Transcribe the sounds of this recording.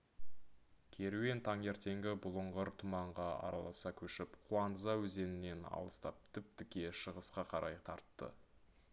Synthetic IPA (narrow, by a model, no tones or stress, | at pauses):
kʲʰe̞ɾuwe̞nt̪ʰɑŋe̞ɾt̪e̞ŋɡʲɪbʊlˠʊɴʁəɾt̪ʰʊmɑɴʁɑɑ̰ɾɑlˠɑsɑkʲʰɵʃɪpqʰuɑnəzɑwɵze̞nɪnːe̞nɑ̰lˠəst̪ɑp̚t̪ʰɪp̚t̪ɪkʲe̞ʃəʁəsqɑqʰɑɾʔɑjt̪ʰɑɾt̪ːə̰